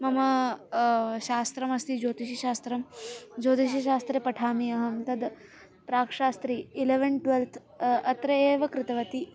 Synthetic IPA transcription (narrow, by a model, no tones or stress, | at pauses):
mɐmɐ | ʃaːst̪ɾɐmɐst̪id͡ʒoːt̪iʃiʃaːst̪ɾɐmd͡ʒoːt̪iʃɐʃaːst̪ɾepɐʈʰaːmiɐɦɐmt̪ɐd̪ | pɾaːkʂaːst̪ɾiːleʋɐnʈʋelt̪ʰ | ɐt̪ɾɐeːʋɐkɾɪt̪ɐʋɐt̪i